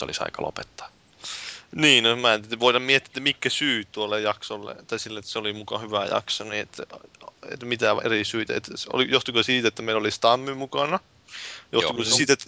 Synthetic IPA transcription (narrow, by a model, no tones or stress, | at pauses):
o̰lisɑ̰ikɑ̰lo̰pet̪ːɑ̥ː | niːnomæent̪t̪ːæʋoit̪ɑmmiet̪ːiet̪ːæmikːæsyːt̪uolːejjɑksolːḛt̪ɑisilːeet̪ːseolimukɑ̰hyʋæjɑ̰ksoniet̪ːæḛt̪mit̪æʋḛrisyːt̪æ̰ḛt̪so̰lijoht̪ikosiːt̪æet̪ːæmeilolist̪ɑmːymukɑnɑ | jo̰h̪ikosesit̪et̪ː